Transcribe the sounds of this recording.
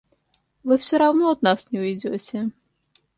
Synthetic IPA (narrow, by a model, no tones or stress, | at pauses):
ʋɪwsʲɔɾawnɔːd̪̚nasnʲɛʊjd͡zʲɔt͡sʲɛ